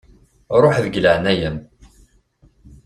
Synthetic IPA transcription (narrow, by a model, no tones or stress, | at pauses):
ɾˤoħðəɡləʕnæjəm